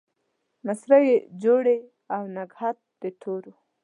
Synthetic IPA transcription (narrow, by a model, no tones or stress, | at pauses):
masɾajed͡ʒoɽe | awnaɡhat̪̚d̪et̪ʰoɾu